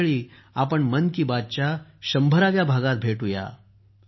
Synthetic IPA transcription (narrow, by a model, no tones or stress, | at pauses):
ɭiːapəɳmənkiːbad̪̚t͡ɕaɕəmbʱəɾaʋjabʱaɡat̪̚bʱeʈɦuja̰